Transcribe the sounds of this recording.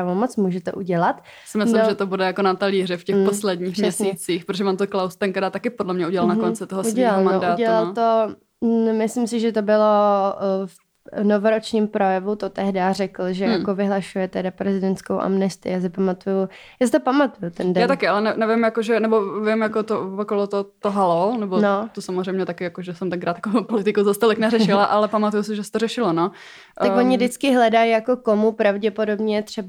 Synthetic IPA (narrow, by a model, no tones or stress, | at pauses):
avomot͡smuːʒɛt̪ɛʔuɟɛlat̪ | sɪmɪssnlɪmʒɛt̪obudɛjakonat̪aliːrɛfcɛposlɛdɲiːxɛsit͡siːxpɾt̪oʒɛvant̪oklawst̪ɛŋkt̪ɛɾaːt̪akɪpodlɛmɲɛuɟɛlalnakont͡sɪt̪oɦouɟɛilalnmaoʔdauːdɛlalt̪o | mɪslɪms̬ɪʒɛt̪obɪlo̞ | f | novoɾot͡ʃɲiːmpɾojɛvut̪ot̪ɛɦdarɛkl̩ʒɛjakovɪɦlaʃujɛt̪ɛdapɾɛzɪdɛnt̪skowʔa̰mnɛst̪ɪ̰jaːs̬ɪpamat̪ujujaːsɪt̪opamat̪ujut̪ɛndɛjaːt̪akɪalɛnɛnɛvɪmjakoʒɛnɛbovɪmjakot̪ookolot̪ot̪oɦalonɛbonot̪osamozrɛjmɲɛt̪akɪjakoʒɛsɛmt̪ɛŋkɾaːt̪jakopolɪt̪ɪkuzast̪olɪknɛɾɛʃɪlaʔalɛpamat̪ujusɪʒɛsɛ̥t̪oɾɛʃɪlono | ʔ̪aoɲɪdɪt͡skɪɦlɛdajjakokomupɾavɟɛpo̞do̞bɲɛt̪r̝̥ɛb